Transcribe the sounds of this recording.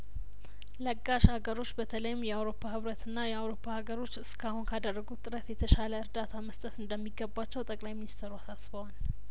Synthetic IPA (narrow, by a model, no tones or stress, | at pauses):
ləɡːaʃhaɡəɾo̞t͡ʃːbət̪ʰələjɪmjɛawɾo̞pʰːahɨβɾət̪ɨnːajɛawɾo̞pʰːahaɡəɾo̞t͡ʃːɨskʰahunkʰad̪ərːəɡut̪ʼɨɾət̪jɛt̪ʰəʃaləɨɾd̪at̪ʰaməst̪ʼət̪ɨnd̪əmːiɡːəbːat͡ʃːɛwt̪ʼəkʼlajminist̪ʰɾuasasbəwal